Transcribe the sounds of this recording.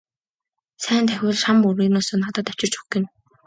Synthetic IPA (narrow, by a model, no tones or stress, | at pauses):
sæːnt̪ʰæxʲʊ̆ːɮʃampuɾiːnʊːsoːnat̪aːt̪ɔ̥t͡ɕɪ̆r̥t͡ɕu̥kĭn